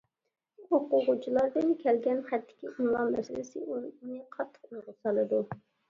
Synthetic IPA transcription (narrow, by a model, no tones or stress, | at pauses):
oqʊʁʊt͡ʃʰilˠɑɾd̪ɨnkʲʰɛlɡʲɛnχæt̪ʰːɪ̥kʲiʔuŋlˠɑmmɛ̰sɪllɪsɪunɨqʰɑt̪ʰːə̥qojʁʊsɑlˠɨd̪u